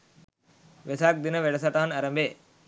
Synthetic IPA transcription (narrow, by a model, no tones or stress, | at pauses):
ʋesaːk̚d̪inəʋeɽɐsaʈaːnɐɾəmbeː